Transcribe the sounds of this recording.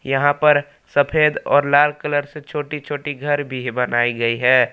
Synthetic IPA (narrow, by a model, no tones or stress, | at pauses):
jɐɦãpɐɾ | səpʰeːd̪ɔ̰ːɾlaːlkələɾset͡ʃʰoːʈit͡ʃʰoːʈiɡʱɐɾbʱibɐnaːiɡɐiɦɛː